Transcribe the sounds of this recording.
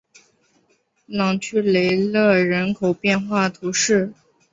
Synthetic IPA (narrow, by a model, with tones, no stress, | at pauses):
lɑ˨˩ŋt͡ɕʰy˥˩le˧˥ɪlɤ˥˩ɻə˧˥nkʰo˨˩ʊpjɛ˥˧nxwa˥˩t̪ʰu˧˥ʂɻ̩˥˩